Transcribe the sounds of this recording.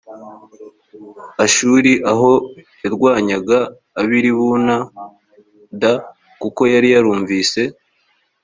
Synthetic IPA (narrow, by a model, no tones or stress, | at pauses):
aʃuːɾiʔaɦo̞jaɾɡwaːɲaɡaː | βiɾiβuna | da | kuko̞jaɾijaɾuːɱviːse̞